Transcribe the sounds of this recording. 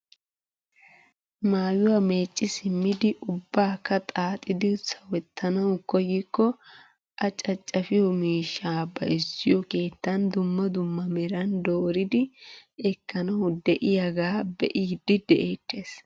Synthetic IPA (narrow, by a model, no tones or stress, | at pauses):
maːjɪwaːme̞ːt͡ʃʼːɪsɪmːɪd̪ɪʔʊbːaːkːɐt̪ʼaːt̪ʼɪd̪ɪsɐwɛt̪ʰːɐnɐwkɔjːɪkːɔ | ʔɐt͡ʃʼɐt͡ʃʼːɐfɪjɔmiːʃːaːbɐ̰ɪsːɪjɔke̞ːt̪ːɐnd̪ʊmːɐd̪ʊmːɐmɛɾɐnd̪oːɾɪd̪ɪɛkːɐnɐwd̪ɛʔɪjɐɡaːbɛ̰ʔiːd̪ɪd̪ɛʔeːt̪ːeːs